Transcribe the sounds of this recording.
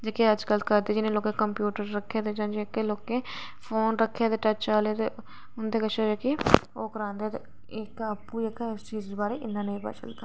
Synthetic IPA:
d͡ʒaːkeəd͡ʒɡəlt̪kəɾd̪eːd͡ʒɪnẽːloːkẽːkəmpjuːʈəɾːəkʰːeːt̪ed͡ʒãːnd͡ʒekeloːkẽː | fʰoːnɾəkʰːet̪eːʈət͡ʃaːlet̪e | ʊnd̪eːkət͡ʃʰed͡ʒaːke | oːkəɾãːnd̪eːt̪ḛ | ɪkaːpːujeːkːst͡ʃiːzd̪oːbaːɾeːʔɪnːãːneĩːpə̰t͡ʃə̰ld̪a

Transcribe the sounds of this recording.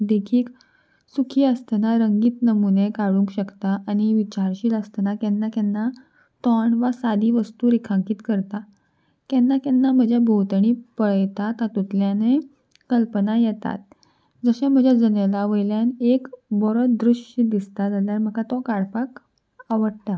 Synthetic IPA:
d̪ekʰiːk | sukʰiːəst̪naɾəŋɡiːt̪nəmunekaɽũŋkɕəkt̪aːñiʋit͡ɕaɾɕiːləst̪ənakɛnːakɛnːa | t̪ɔɳʋasad̪iːʋəst̪uːɾekʰãŋkiːt̪kəɾt̪a | kɛnːakɛnːam̤əd͡ʑʱjabʱowt̪ɳ̃iːpəɭt̪at̪at̪ut̪ljane | kəlpənajɛt̪a̰t̪̚ | d͡zəɕẽm̤əd͡ʑʱjad͡zənelaʋəjljanekbɔɾəd̪ɾuʂid̪ist̪ad͡zaljaɾm̤əkat̪ɔkaɽpak | aʋəɽt̪a

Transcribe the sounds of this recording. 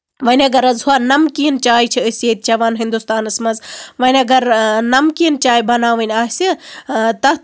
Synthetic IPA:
ʋɐnʲɐɡɐɾɐzuaːnɐmkiənt͡ʃaːjt͡ʃʰiəsjeːt̪̚t͡ʃɐʋaːnɦĩnd̪ust̪aːnɐsmɐzʋɐnʲɐɡɐɾnɐmkiənt͡ʃaːjbɐnaːʋɐnʲaːɦsit̪ɐ

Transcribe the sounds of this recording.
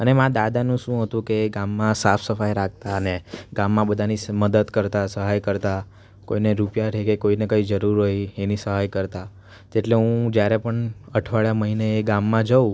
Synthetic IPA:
ənemãd̪ad̪anũʃũɦət̪ũkeɡamːãsafʰsəfajɾak̚t̪aəneɡãmːãbəd̪ʱaniməd̪əd̪kəɾt̪asəɦajkəɾt̪a | koineɾupjaɾekekoinekəid͡ʒəɾuɾɦoienisəɦajkəɾt̪a | eʈleɦũd͡ʒjaɾepəɳəʈʰʋaɭjaməɦineːɡamːãd͡ʒəũ

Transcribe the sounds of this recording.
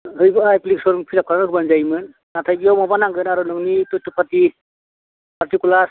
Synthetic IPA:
ɦɯjbɯajplik̚sɔɾuŋpʰiɾap̚kʰaɾanɯɦɯbanzajmɯn | natʰajɡijɔwmɔbanaŋɡɯnaɾɯnɯŋnitɯtupʰati | paɾtikula

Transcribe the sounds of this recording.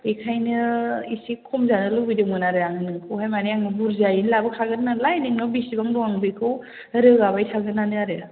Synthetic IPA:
ekʰajnɯisikʰːɔmzanɯlɯbidɯmɯnaɾɯaŋɯnɯkʰɯwɦajmaniaŋnɯbuɾzajinlabɯkʰaɡɯtnanlajnɯŋnɔbisibaŋdɔaŋbikʰɯw | ɾɯɡabajtʰaɡɯnanɯaɾea

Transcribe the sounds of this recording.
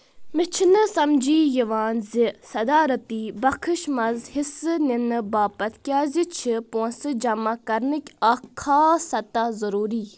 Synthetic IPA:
mɪt͡ʃʰinɨsɐmd͡ʒiːjiʋaːnzisɐd̪aːɾɐt̪iːbɐkʰɨʃmɐzhisɨninɨbaːpɐt̪kʲaːzit͡ʃʰiponsɨd͡ʒɐmakɐɾnɨkʲɐkʰːaːsɐt̪azɐɾuːɾiː

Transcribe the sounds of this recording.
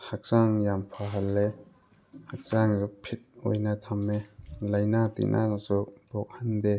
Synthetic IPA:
hak̚saŋjampʰaɦalːe | hak̚saŋzupʰit̪̚ʔo̰jnat̪ʰamːelajnat̪ḭnʔa̰subɔk̚hand̪e

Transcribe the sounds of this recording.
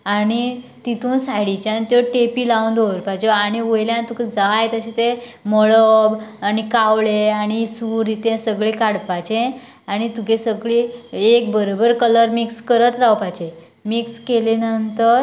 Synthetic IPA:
aɽ̃it̪it̪uːnsaɽit͡ɕeanit̪jɔʈepilaũnd̪oɾpajt͡ɕɔaɽ̃iʋojljant̪uked͡zajt̪əɕit̪eməɭəbaɽ̃ikawleaɽ̃isuɾit̪ẽsəɡɭekaɽpat͡ɕẽ | aɽ̃it̪ukesəɡɭiek̚bəɾobəɾkələɾmikskəɾət̪ɾawpajt͡ɕe | mikskelenənt̪əɾ

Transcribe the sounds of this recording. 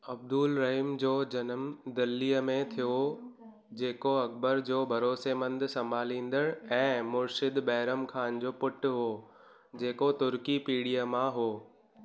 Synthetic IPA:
ɐb̚d̪uːlɾɐɦiːmd͡ʑoːd͡ʑɐnəmd̪ɐlːiːəmẽt̪ʰijo | d͡ʑeːkoɐk̚bəɾd͡ʑoːbʱɐɾoːsemɐ̃nd̪sɐmbʱaːlĩːnd̪əɽ̃ɛ̃ːmʊɾʃɪd̪bɐɦɪɾəmkʰaːnd͡ʑoːpʊʈɦoː | d͡ʑeːkot̪ʊɾkipiːɽijəmãɦoː

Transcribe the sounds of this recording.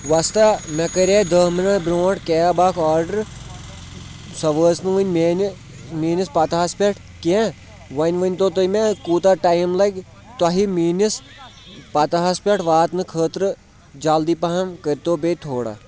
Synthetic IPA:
ʋast̪amɛkɐɾʲed̪əminɐʈbɾoːʈkeːabaːkʰaːɾɖəɾ | sɐʋəːsnɨʋənʲmen | miːnispaːt̪ɐɦɐspʲeʈʰ | ke | ʋɐnʲʋɐnʲt̪ot̪ɐmekuːt̪aʈajmlɐɡ | t̪ɐɦimiːnis | pat̪ɐɦaspʲeʈʰʋaːt̪nɨkʰəːt̪ɾɨ | d͡ʒaːld̪iːpɐɦɐmkəɾʲt̪oːbet̪ʰoːɽa̰

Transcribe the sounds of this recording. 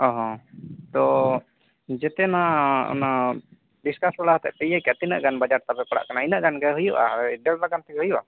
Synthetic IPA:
ɔ̃ɦɔ̃t̪ɔ | d͡ʒɛt̪ɛnaɔ̰na | diskasbaɽaɦt̪ɛ̰ʔpɛjajkat̪inə̰ʔɡanbad͡ʒaɾt̪abɛpaɽa̰ʔkanainəʔɡanɡɛɦujuʔaɖɛllaɡant̪ɛɡɛɦujuʔa

